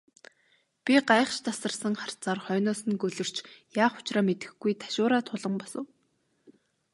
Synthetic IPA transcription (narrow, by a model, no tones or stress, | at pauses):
pʲiɢajə̆χʃt̪ʰasə̆rsə̆ŋχar̥t͡saːrχœːnʊːsɘ̆nɡɵɮɵ̆r̥t͡ɕjaːχʊ̥t͡ɕraːmet̪ɘ̆xɡujt̪ʰḁʃʊːɾaːt̪ʰʊɮə̆mpɔsə̰̆w